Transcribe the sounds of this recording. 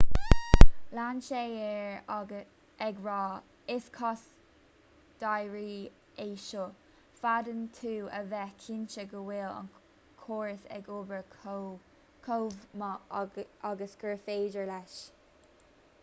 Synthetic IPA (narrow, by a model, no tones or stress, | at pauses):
lanʃeɛɹ | ɛɡɹɔː | ɪskʰɔs | d̥ajɹiː | eːʃo | fadəntʰuːə̰vɛkʰɪnt͡ʃəɡəwɪlə̰n | kʰoːɹəsɛ̰ɡoːbəɹ | kʰowmə | aɡəsɡ̥əɹfeːd͡ʒəɹlɛʃ